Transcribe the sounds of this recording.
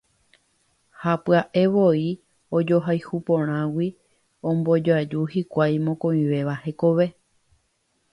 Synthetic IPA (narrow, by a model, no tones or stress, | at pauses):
hapɨaʔe̞ʋoi | od͡ʒo̞ɦajhupõɾ̃ãwi | õmbo̞d͡ʒad͡ʒuhikʷajmõkõĩʋe̞ʋahe̞koʋe̞